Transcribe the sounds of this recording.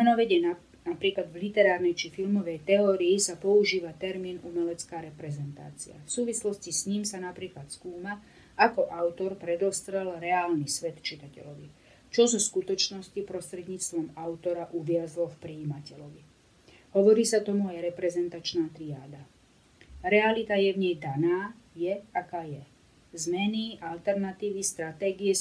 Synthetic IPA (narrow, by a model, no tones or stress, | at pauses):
mɛnɔʋɛɟɛna | napɾiːklad̪vlit̪ɛɾaːɾnɛjt͡ʃifilmɔʋɛjt̪ɛɔːɾiːsapɔuʒiːʋat̪ɛɾmiːnumɛlɛt͡skaːɾɛpɾɛzɛnt̪a̰ːt͡sḭa̰fsuːʋislɔscisɲiːmsanapɾiːklat̪skuːma | akɔʔaʊt̪ɔɾpɾɛd̪ɔst̪ɾɛlɾɛaːlnisʋɛt̪t͡ʃit̪acɛ̰lɔʋi | t͡ʃɔzɔskut̪ɔt͡ʃnɔscipɾɔst̪ɾɛd̪ɲiːt͡st̪ʋɔmaʊt̪ɔɾaʔuʋɪazlɔfpɾiːmacɛlɔʋi | ɦɔʋɔɾiːsat̪ɔmuajɾɛpɾɛzɛnt̪at͡ʃnaːt̪ɾiaːd̪a | ɾɛalit̪ajɛvɲɛjd̪anaːjɛakaːjɛ | zmɛniʔalt̪ɛɾnat̪iːʋist̪ɾat̪ɛːɡiɛ